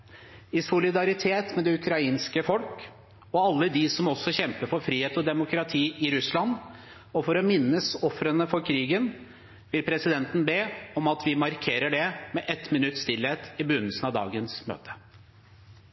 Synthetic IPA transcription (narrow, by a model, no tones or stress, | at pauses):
ɪsʊlɪd̪ɑɾɪt̪ʰeːt̪mɛd̪ɛʉkʰɾɑiːnskəfɔlk | ɔɑlːəd̪ɪsɔmɔsːɔçɛmpəɾfɔɾfɾiːheːt̪ɔd̪ɛmʊkɾɑt̪ʰiːɪɾʉslɑn | ɔfɔɾɔmɪnːəsɔfɾənəfɔɾkʰɾiːɡən | ʋɪlpʰɾɛsɪd̪ɛnt̪n̩beːɔmɑt̪ʋɪmɑɾkʰeːɾəɖɛmɛʔɛt̪mɪnʉt̪ːst̪ɪlheːt̪ɪbʉnːəlsən̩ɑʋd̪ɑ̰ːɡənsmø̰ːt̪ʰə̥